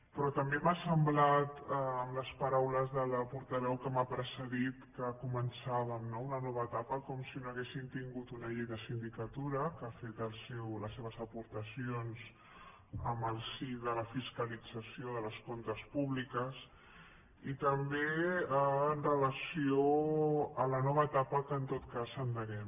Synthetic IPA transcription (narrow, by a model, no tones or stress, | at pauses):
pɾɔt̪əmbemasəmblat̪əːmləspəɾawləzðələpuɾt̪əβɛwkəmapɾəsəðit̪kəkumənsaβəmnounənɔβəːt̪apəkɔmsinoəɣesint̪iŋɡut̪unəʎejðəsind̪ikət̪uɾəkafet̪əlˠsewləsːeβəzəpuɾt̪əsionz | əməlˠsiðələfiskəlid͡zəsioðələskont̪əspuβlikəs | it̪əmbeəːnrələsio | ələnɔβ̞əːt̪apəkəːnt̪ot̪kasənd̪əɣɛm